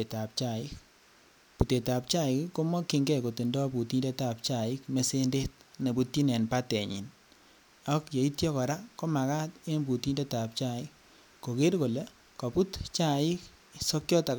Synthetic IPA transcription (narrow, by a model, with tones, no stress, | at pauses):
e˨ta˨p̚t͡ʃa˨ɪ˦k | pu˨te˨ta˨p̚t͡ʃa˦ɪ˨kko˦mɔ˦ki˨ŋɡɛ˦ko˨ti˨ndɔ˦pu˨ti˦nde˦ta˨p̚t͡ʃa˦˨ɪ˦kme˦se˦nde˦t̚ne˨bu˨ti˦nɛ˨npa˦tɛ˨ɲḭ˨n | a˦kje˨i˦tjɔ˦kɔ˨ɾa˦kɔ˦ma˨ka˦te˦nbu˨ti˦nde˦ta˨p̚t͡ʃa˦ɪ˦k̚ː | o˨ke˦ɾko˨le˦ | kɔ˨pu˦tt͡ʃa˦˨ɪ˦k | sɔ˦kjɔ˦ta˨